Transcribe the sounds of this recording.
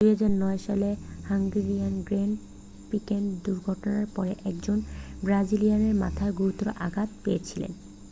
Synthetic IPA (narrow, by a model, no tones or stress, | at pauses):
d̪uɦad͡ʑaɾnɔeʃalehaŋɡeɾianɡɾen | pikend̪uɾɡʱɔʈonaɾpɔɾeʔɛkd͡ʑonbɾad͡ʑilianeɾma̰t̪ʰaɡuɾut̪oɾo̰ʔaɡat̪̚pejet͡ɕʰilḛn